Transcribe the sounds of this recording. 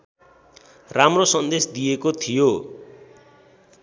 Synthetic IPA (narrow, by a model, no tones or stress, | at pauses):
ramrosʌnd̪esd̪ijekot̪ʰijo